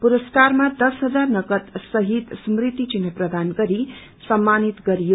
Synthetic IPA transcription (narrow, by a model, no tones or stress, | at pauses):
puɾʌskarmad̪ʌsɦʌd͡zarnʌkʌt̪sʌɦit̪smrit̪it͡ʃinɦʌprʌd̪anɡʌɾi | sʌmːanit̪ɡʌɾijo